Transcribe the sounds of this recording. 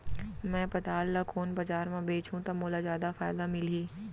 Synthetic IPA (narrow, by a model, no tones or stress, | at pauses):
mɛ̃ːpɐt̪aːlːakʰoːnbɐd͡ʒaːɾmãbeːt͡ʃũt̪ɐmoːlazjaːd̪afaːɪd̪amɪliː